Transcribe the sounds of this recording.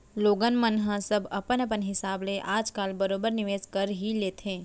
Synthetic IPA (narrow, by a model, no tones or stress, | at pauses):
loːɡənmənɦãsəbɐpənəpənɦɪsaːbleʔaːd͡ʒkaːlbɐɾoːbəɾnɪʋeːzkəɾɦileːt̪ʰẽː